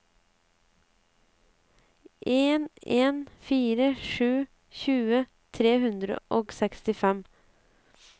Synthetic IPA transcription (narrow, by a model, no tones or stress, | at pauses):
ʔeːneːnfiːɾəʂʉː | çʉːə | t̪ʰɾeːhʉnd̪ɾə̰ʔoːɡsɛkst̪ɪfɛm